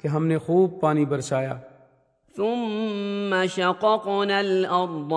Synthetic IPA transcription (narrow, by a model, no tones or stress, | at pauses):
keɦɐmnexuːb̚paːnibɐɾsaːja̰ː | θʊmː | aʃɑqɑqnalʔɑɾˤd̪ˤ